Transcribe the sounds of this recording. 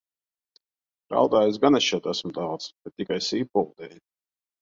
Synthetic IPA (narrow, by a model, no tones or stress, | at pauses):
ɾa̰wd̪aːjuz̬ɡanɛʃjɛt̪æsmt̪awt̪sb̥ɛt̪ːikajsiːpulˠd̪ɛj